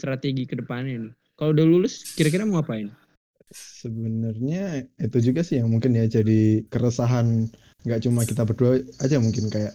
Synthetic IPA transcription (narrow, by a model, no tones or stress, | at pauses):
t̪ɾat̪eɡikədəpananɪ | kalodalulʊskiɾak̬iɾaməŋapaɪn | səbənərɲait̪ud͡ʒuɡasɪhjamuŋkɪnjad͡ʒadikəɾəsaɦan | ŋɡaʔt͡ʃumakit̪ab̬ərduaad͡ʒamuŋkɪnkajaʔ